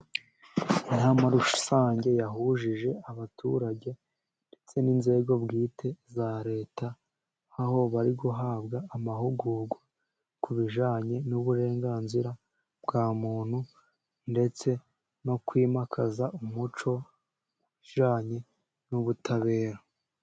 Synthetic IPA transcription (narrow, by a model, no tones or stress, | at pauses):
ajamaɾuʃu̥saːɲɟe̞jaɦuʒiʒe̞aβatṵɾaɟe̞ | nde̞t͡se̞ninze̞ɡo̞bɡiːtʰe̞zaɾe̞ːtaː | ho̞βaɾiɡuɦaːbɡaːmahuɡuɡwa | kuβiʒaːɲe̞nuβuɾe̞ːŋɡaːnziɾa | bɡaːmuːn̥hu | nde̞t͡se̞ | no̞kwiːmakʰazaʔumut͡ʃo̞ | uiʒaːɲe̞ | nuβutʰaβe̞ːɾa